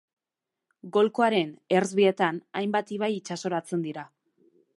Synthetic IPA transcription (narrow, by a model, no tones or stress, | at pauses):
ɡo̞lkoaɾe̞ne̞rzβie̞t̪anajmbat̪iβ̞ajit͡ʃaso̞ɾat͡se̞nd̪iɾa